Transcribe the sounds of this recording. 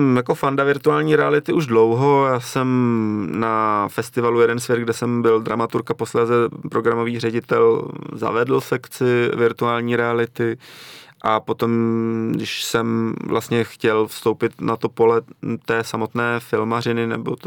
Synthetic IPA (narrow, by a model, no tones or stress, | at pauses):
mjako̞fandavɪɾt̪uaːlɲiːɾɛalɪt̪ɪʔuʒdlo̞wɦo̞jaːsɛmnafɛst̪ɪvalujɛdɛnsvjɛd̪̚ɡdɛsɛmbɪldɾamat̪uɾkapo̞slɛːzɛpɾo̞ɡɾamo̞viːrɛɟɪt̪ɛlza̰vɛdl̩sɛkt͡sɪvɪɾt̪uaːlɲiːɾɛalɪt̪ɪ | ʔapo̞t̪o̞mdɪʃsɛmvlʔast̪ɲɛxcɛlfst̪o̞wpɪt̪nat̪o̞po̞lɛt̪ɛːsamo̞t̪nɛːfɪlmar̝ɪnɪnɛ̰bo̰t̪